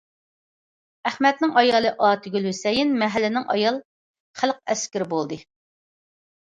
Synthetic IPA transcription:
æhmɛt̪̚nɪŋɑjɑlˠɨʔɑːt̪ʰɪɡʲylwysɛjinmɛɦælːɪnɪŋʔɑ̰jɑlˠ | χælˠq̚ɛskʲɪɾɪbolˠd̪ɨ

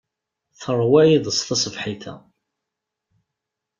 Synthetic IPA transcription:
θərˤwæjiðˤəst̪ɑsˤəfħiθæ̰

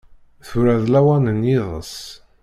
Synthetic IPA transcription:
θʊɾæðlæwænənjiðˤə̰s

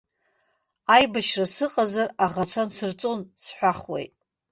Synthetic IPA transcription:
ajbaʃrasɨqʼazaraʁat͡ɕʷʰansɨrt͡sʼonsħʷaχwḛjtʼ

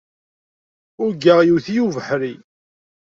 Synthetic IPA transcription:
ʊɾɡaʁjuθijuvəħɾi

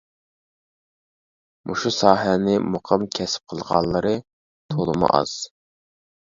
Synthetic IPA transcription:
mʔuʃusɑːɦɛnɪmoqʰəmkʲʰɛsɪ̥p̚qʰəlˠʁɑ̰nlˠːəɾɨ | t̪ʰolˠɨmṵʔɑ̰z̥

